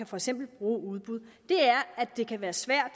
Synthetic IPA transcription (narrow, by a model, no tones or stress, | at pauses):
æfɒ̽eɡ̥sem̰b̥l̩b̥ʁuːuð̞ˠb̥uð̞ˠd̥e̝æɐæ̥e̝kʰæʋæːɐsʋæɐ̰d̥